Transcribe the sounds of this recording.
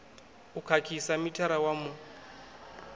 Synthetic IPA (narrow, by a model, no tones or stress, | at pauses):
ukʰakʰisamitʰaɾawamu